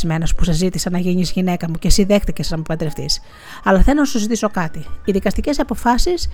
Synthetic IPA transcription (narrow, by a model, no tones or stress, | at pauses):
zme̞nɐspu̥sɐzit̪isɐnɐʝiɲizʝine̞kɐmucesiðe̞xt̪icesnɐmupɐt̪d̪ɾeft̪ḭs | ɐlɐθelnonɐsuzit̪iso̞kɐt̪iːðikɐst̪ice̞sɐpo̞fɐsis